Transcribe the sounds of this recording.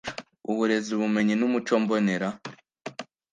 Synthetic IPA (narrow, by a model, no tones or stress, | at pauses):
uβuɾe̞zuβume̞ɲinumut͡ʃoːmboneɾa